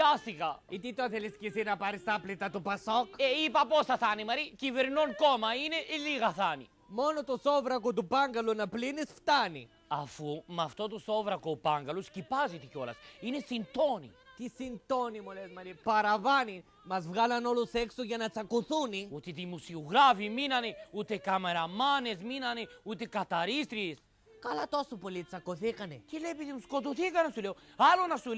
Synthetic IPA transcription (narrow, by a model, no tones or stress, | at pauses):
kasikait̪it̪aθɛliskisinapaɾisaplit̪at̪upasɔkeipapɔsaθanimaɾiciveɾnɔnkɔmaineʔiliɣaθanḭ | mɔnot̪usɔvɾɐkut̪upaŋɡalunaplinisft̪anḭ | afumaft̪ot̪usɔvɾakopaŋɡaluscipazit̪ikɔlɐ̰sinesint̪ɔnḭt̪isint̪onimulezmɐlipɐɾɐvɐni | mɐzvɣɐlɐno̞luseksoʝɐnɐt͡sɐkoθuniut̪it̪imusiuɣɾafiminɐneut̪ekɐmeɾɐmɐnesminɐneut̪ekɐt̪ɐɾist̪ɾis | kɐlɐt̪o̞sopolit͡sɐkoθikɐnecelepiðimuskot̪oθikɐnɐsuleoɐlonɐsul